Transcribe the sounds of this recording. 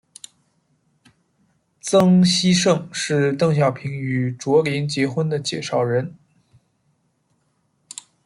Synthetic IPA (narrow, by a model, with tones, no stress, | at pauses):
t͡sɤ˥ŋɕi˥ʂɤ˥˧ŋʂɻ̩˥˧t̪ɤ˥˩ŋɕ̬jɑ˨˩ʊpʰi˧˥ŋy˨˩ʈ͡ʂwɔ˧˥li˧˥nt͡ɕjɛ˧˥xwə˥nd̪ə˨t͡ɕjɛ˥˩ʂɑ˥˩ʊɻə˧˥n